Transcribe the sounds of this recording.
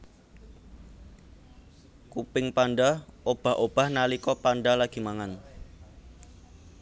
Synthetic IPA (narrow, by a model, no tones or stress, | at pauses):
kupɪŋpanɖaob̥a̤hʔob̥a̤hnalikɔpanɖalaɡ̥i̤maŋan